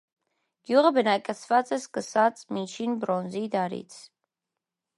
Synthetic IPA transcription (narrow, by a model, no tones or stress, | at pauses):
ɡ̥juʁəbənɑkʼɛt͡sʰvɑt͡sʼɛskəsɑt͡sʼmit͡ʃʰinbɾɔnzid̪ɑɾḭt͡sʰ